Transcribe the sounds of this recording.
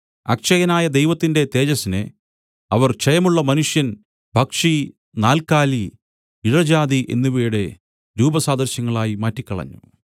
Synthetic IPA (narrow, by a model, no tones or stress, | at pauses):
ɐ̰kʂɐjɐnaːjɐd̪ejʋɐt̪ːinde̞t̪e̞ːd͡ʑɐsinɨ̰ | ɐʋɐrt͡ɕejɐmuɭːɐmɐnuʂjɐn | bʱɐkʂi | naːlkaːli | iɻɐd͡ʑaːd̪iʔe̞̰nːuʋiːɽe̞ | ɾuːbɐsaːd̪ɐrɕjɐŋːɐɭaːjimaːtːikʲːɐɭɐ̰ɲːṵ